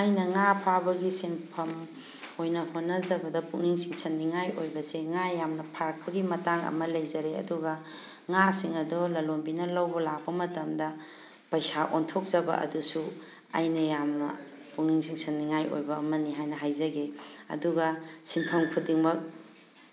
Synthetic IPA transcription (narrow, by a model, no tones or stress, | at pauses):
ajnɐŋapʰabɐɡisinpʰɐm | ojnɐhonːɐzɐbɐdɐpuŋniŋsiŋsɐnːiŋajojbɐseŋajamnɐpʰaɾɐk̚pɐɡimɐtaŋɐ̰mɐlɐjzɐɾeɐ̰duɡɐ | ŋasiŋɐdolɐlombinɐlɐwbɐlak̚bɐmɐtɐmdɐ | pɐjsaʔontʰok̚zɐbɐ̰ɐ̰dusu | a̰jnɐjamnɐ̰ | puŋniŋsiŋsɐnːiŋajo̰jbɐːmɐniɦajnɐɦajzɐɡeɐ̰duɡɐsinpʰɐmkʰudiŋmɐk̚